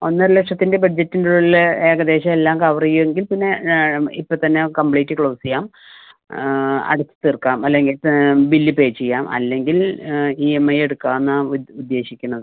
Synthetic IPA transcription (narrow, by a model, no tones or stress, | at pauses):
o̞nːɐlekʂɐt̪ːinde̞bɐɖ̚d͡ʑetːinduule̞ːɡɐd̪e̞ːɕɐelːaːmkɐʋrijueŋɡilpinːe̞ipːoːt̪ɐnːe̞kɐmbliːtːikɭo̞ːsijaːm | ɐ̰ɽut̪ːɨ̥t̪irkːaːmɐlːe̞ŋɡilbilːipe̞ːt͡ɕːejːaːmɐ̰lːe̞ŋɡiliːemːɐje̞ɽukːaːnːaud̪ːe̞ːɕikʲːunːɐðɨ